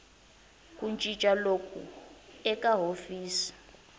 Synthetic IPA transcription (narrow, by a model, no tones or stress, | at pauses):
kʼunt͡ʃʼit͡ʃʼalokʰṵɛkʼaɦofiːsi̥